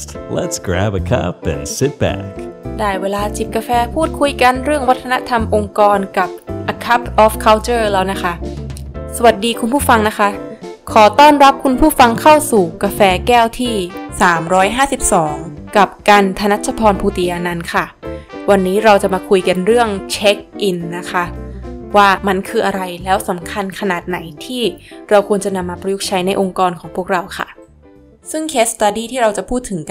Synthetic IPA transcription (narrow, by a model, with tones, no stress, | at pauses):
lə̰tsɡ̥ɹæ̰bəkʰɐ̰pɨ̰̃nsɪt̚b̥æ̰kdaː˥˩jweː˧laː˧t͡ɕi˨˩t̪̚kaː˧fɛː˧pʰuː˥˩t̪̚kʰu˧jka˧nɾɯ˥˩əŋwa˦˥t̪ʰːa˧na˦˥t̪ʰa˧mʔo˧ŋkɔː˧nka˨˩p̚ʔa˧kʰa˦˥p̚ʔɔː˦˥fkʰa˦˥wt͡ɕɤː˥˩lɛː˦˥wna˦˥kʰa˦˥ʔ | sa˧wa˨˩t̪̚diː˧kʰu˧npʰuː˥˩fa˧ŋna˦˥kʰa˦˥ | kʰɔː˩˦t̪ɔː˥˩nɾa˦˥p̚kʰu˧npʰuː˥˩fa˧ŋkʰa˥˩wsuː˨˩kaː˧fɛː˧kɛː˥˩wt̪ʰiː˥˩saː˩˦mɾɔː˦˥jɦaː˥˩si˨˩p̚sɔː˩˦ŋka˨˩p̚ka˧nt̪ʰa˧na˦˥t͡ɕʰa˧pʰɔː˧npʰuː˧t̪i˨˦ʔa˧na˧nkʰa˥˩wa˧nːiː˦˥ɾa˧wt͡ɕa˨˩maː˧kʰu˧jka˧nɾɯ˥˩əŋt͡ɕʰe˦˥k̚ʔi˧nːa˦˥kʰa˦˥waː˥˩ma˧nkʰɯː˧ʔa˧ɾa˧jlɛː˦˥wsa˩˦mkʰa˧nkʰa˧naː˨˩t̪̚na˩˦jt̪ʰiː˥˩ɾa˧wkʰu˧ənt͡ɕa˨˩na˧mːaː˧pɾa˧ju˦˥k̚t͡ɕʰa˦˥jna˧jʔo˧ŋkɔː˧nkʰɔː˩˦ŋpʰu˥˩ək̚ɾa˧wkʰa̰˥˩ | sɯ˥˩ŋkʰeː˦˥st̪aː˧diː˧˩t̪ʰiː˥˩ɾa˧wt͡ɕa˨˩pʰuː˥˩t̪ʰːɯ˩˦ŋ